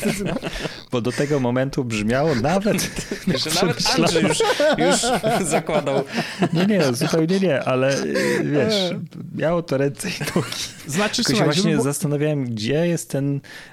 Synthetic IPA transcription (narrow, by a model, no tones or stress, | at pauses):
b̥ɔd̪ɔt̪ɛɡɔmɔmɛnt̪ubʐmʲjawɔnavɛt̪ʂɛbaɕlaɔjuʂzakwad̪awɲɛɲɛzupɛwɲɛɲɛʔalɛvʲjɛmʲjawɔt̪ɔɾɛnt̪sɛjd̪ʰɔɡʲi̥ | ak̪ɔɕɛvwaɕɲɛzast̪anavjawɛmɡd͡ʑɛjɛst̪ːɛn